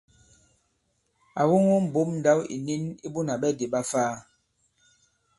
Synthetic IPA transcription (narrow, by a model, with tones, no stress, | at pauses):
a˨wu˦ŋo˦m̩˨bo˦mn̩˨da˦wḭ˨ni˦ni˦bu˦na˨ɓɛ˦de˨ɓa˦faː˦